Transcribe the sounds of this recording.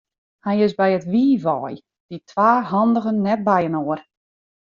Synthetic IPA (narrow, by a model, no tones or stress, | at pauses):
hajɪsbɛjətʋiːʋɔj | d̥itʰʋaːɦɑndəɣənːɛt̚bɛjənoər